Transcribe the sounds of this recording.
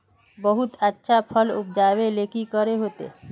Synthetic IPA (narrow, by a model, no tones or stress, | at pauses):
bəɦut̪ətːʃʰapʰəlṵp̚ʰd͡ʒaʋelekikəɾeɦoːt̪ḛ